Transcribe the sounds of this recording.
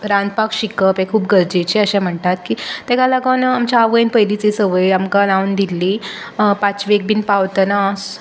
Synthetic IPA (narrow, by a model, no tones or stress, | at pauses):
ɾãnd̪̚pakɕikəpɦekʰːuːpɡəɾd͡ʑet͡ɕeəɕãm̤əɳt̪at̪̚kiːt̪ɛɡalaɡənaamt͡ɕaaʋəjnpəɦilit͡sesəʋəjamkalawnd̪ilːi | pat͡sʋek̚binpaʋt̪ənas